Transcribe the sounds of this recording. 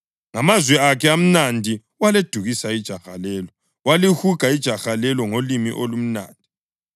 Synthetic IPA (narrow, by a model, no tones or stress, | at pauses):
ŋamazwɛakʰɛam̩nandʱi | waled̥ʱuɣisaid̥ʒ̥ʱaxa̰lɛlɔ | walihuɡ̥ʱaid̥ʒ̥ʱaxalɛlɔŋolimḭʔolum̩na̰ːndʱi